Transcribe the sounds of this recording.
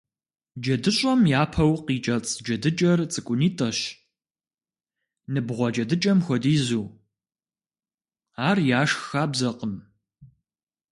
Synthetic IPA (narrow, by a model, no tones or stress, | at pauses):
d͡ʒɐdɨɕʼɐmjaːpʰɐwqiːt͡ʃʼɐt͡sʼd͡ʒɐdɨt͡ʃʼɐrt͡sʼɨkʷʼʊniːtʼɐɕ | nɨbʁʷɔd͡ʒʼɐdɨt͡ʃʼɐmxʷɔdiːzuː | aːrjaːʂxaːbzɐqəm